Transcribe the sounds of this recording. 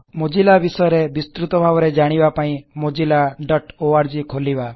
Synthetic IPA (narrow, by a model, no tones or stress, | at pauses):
mod͡ʒilabisɔjɔɾebist̪ɾut̪ɔbʱabɔɾed͡ʒaɽ̃ibapaĩmod͡ʒilaɖɔʈoaɾd͡ʒikʰoliba